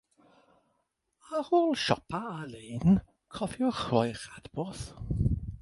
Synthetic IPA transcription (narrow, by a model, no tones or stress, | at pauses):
ahoːlˠʃɔpʰaːleːn | kʰɔvjɔχajχad̥bɔθ